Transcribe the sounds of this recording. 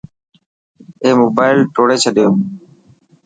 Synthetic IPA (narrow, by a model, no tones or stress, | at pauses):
eːmoːbaːɪlʈoːɽeːt͡ʃʰəɗɪjoː